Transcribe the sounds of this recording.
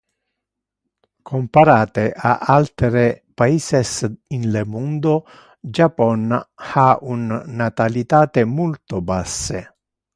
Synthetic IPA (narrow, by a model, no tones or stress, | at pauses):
kʰompaɾaːt̪eʔa̰ʔalt̪ɾepaiːsesinlemund̪o | d͡ʒapɔnaunːat̪alit̪aːt̪emult̪obasːḛ